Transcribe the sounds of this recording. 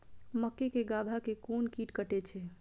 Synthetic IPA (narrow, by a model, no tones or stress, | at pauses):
məkːekeɡabʱakekonkiʈkəʈet͡ʃʰɛ